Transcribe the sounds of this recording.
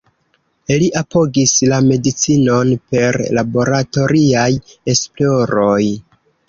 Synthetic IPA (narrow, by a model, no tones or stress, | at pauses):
iliʔapo̞ɡislame̞dit͡sino̞npe̞ɾlabo̞ɾato̞ɾiaje̞splo̞ɾo̞j